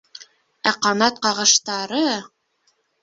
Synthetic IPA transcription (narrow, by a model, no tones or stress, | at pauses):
æqɑnɑt̪̚qɑʁɤ̆ʃt̪ɑɾɤ